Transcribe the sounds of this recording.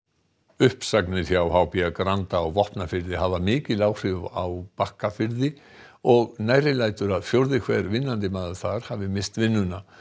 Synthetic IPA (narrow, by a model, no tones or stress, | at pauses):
ʏhpsaknɪ̥θjawɦawpiakɾant̪aːwvɔhpnafɪɾðɪɦavamɪːcɪlaːwr̥ɪvawpahkafɪɾðɪ | ɔɣnaːjɾɪlajt̪ʏɾaðfjowɾðɪkʰvɛːɾvɪnːant̪̬ɪmaːðʏ̥θaɾ̥haːvɪmɪst̪vɪnːʏna